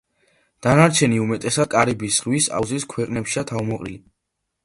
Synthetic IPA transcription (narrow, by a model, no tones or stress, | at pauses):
d̪̥anaɾt͡ʃʰɛniumɛt̪ʼɛsad̪̥̚kʼaɾibisʁwisa̰vziskʰwɛqʼnɛpʃiat̪ʰavmɔqʼɾḭli